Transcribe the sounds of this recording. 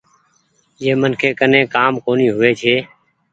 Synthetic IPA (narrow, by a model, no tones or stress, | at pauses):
jeːmənkʰeːkənẽːkaːmkoːniːɦʊʋeːt͡ʃʰeː